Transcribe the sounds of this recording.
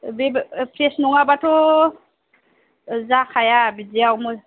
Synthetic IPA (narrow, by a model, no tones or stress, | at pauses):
bepʰɾesnɔŋabatʰɔ | zakʰajabidiawmɯ